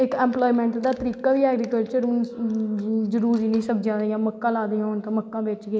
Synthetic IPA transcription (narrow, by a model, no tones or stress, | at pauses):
ɪkɛːmploːimɛ̃ːɳʈd̪aːt̪əɾiːkaːʋiːɛːɡɾiːkəlt͡ʃəɾʊn | zəɾuːɾd͡ʒiːnĩːsəbd͡ʒãːd̪ijãːməkːãːlaːd̪ijãːʊnt̪ə̃məkːãːbeːt͡ʃɡeː